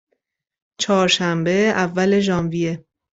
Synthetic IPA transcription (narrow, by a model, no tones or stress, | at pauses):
t͡ʃʰɒːɾʃæmbe̞ævːæle̞ʒɒːnvije̞